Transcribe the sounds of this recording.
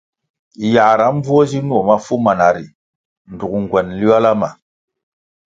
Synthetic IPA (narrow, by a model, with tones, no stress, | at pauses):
ja˨ɾa˨˦m˦vu˦o˦zi˦nu˦o˨ma˦fu˦ma˨na˨ɾi˨ | n˨du˨kŋ˨ɡwɛ˨nli˦a˦la˦ma˨